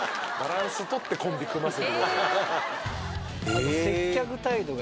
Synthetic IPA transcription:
baɾãɰ̃sɨt̪o̞t̪ːe̞kõmbʲikɯmasɨo | ose̞ːakɯ̟t̪aid̪o̞ɡ

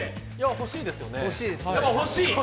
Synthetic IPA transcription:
jaho̞ɕiːd̪e̞sɨjo̞nehoɕiːd̪e̞sɨd̪emohoɕiː

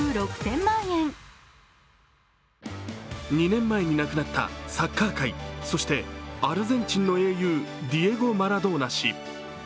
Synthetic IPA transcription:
ɯɾokɯ̟̥sẽ̞mːãɰ̃ẽn | ɲ̟inẽ̞mːae̞ɲ̟inakɯnat̪ːa̰sakːaːkaiso̞ɕi̥t̪e̞aɾɯ̟zẽ̞ɲ̟t͡ɕĩnːo̞e̞ːjɯ̟ːd̪ʲie̞ɡo̞maɾad̪o̞ːnaɕḭ

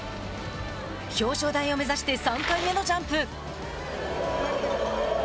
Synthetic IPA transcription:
ço̞ːɕo̞ːd̪aĩo̞me̞zaɕi̥t̪e̞sãŋkaime̞no̞d͡ʑãmpɯ̟

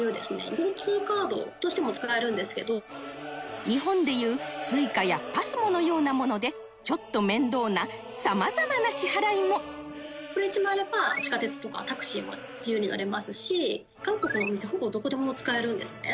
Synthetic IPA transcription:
jɯ̟ːd̪e̞sɨne̞̰ɡoɾɯt͡sɨːkaːd̪o̞̰t̪o̞ɕi̥t̪emo̞t͡sɨ̥kae̞ɾɯ̟̃nd̪e̞sɨ̥ke̞d̪o̞ | ɲ̟iɦõ̞nd̪e̞jɯ̟ːsɨikajapasɨmo̞no̞jo̞ːnamo̞no̞d̪e̞ | t͡ɕo̞t̪ːo̞mẽ̞nd̪o̞ːna | samazamanaɕihaɾaimo̞ko̞ɾe̞it͡ɕimãːɾe̞bat͡ɕi̥kat̪e̞t͡sɨ̥t̪o̞ka̰t̪akɯ̟̥ɕiːmo̰ | d͡ʑijɯːɲ̟ina̰ɾe̞masɨɕi | ɡ̥ãŋko̞kɯ̟noːmise̞ho̞bod̪o̞ko̞d̪e̞hobot͡sɨ̥kae̞ɾɯ̟̃nd̪e̞sɨ̥ne̞̰

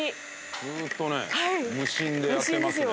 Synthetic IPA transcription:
i | zɨːt̪ːo̞nehaimɯ̟ɕĩnd̪ejɯat̪ːemas̬ɨjo

